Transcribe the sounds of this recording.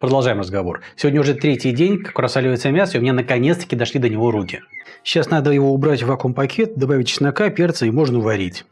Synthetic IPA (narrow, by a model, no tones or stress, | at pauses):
pɾəd̪ɐlˠʐaɪmrəzɡɐvo̞rsʲɪvodʲnəʊʐɛt̪ɾʲetʲɪjdʲenʲkḁkɾɐsalʲɪvəjt̪səmʲasəʊmʲɪnʲanəkɐnʲet̪st̪ə̥kʲɪd̪ɐʂlʲid̪ənʲɪvo̞ɾukʲɪ | ɕːasnad̪əjɪvo̞ʊbɾatʲvɐkompɐkʲʰe̞t̪̚d̪ɐbavʲɪtʲːɪsnɐkapʲert̪səɪmo̞ʐnəvɐɾʲitʲ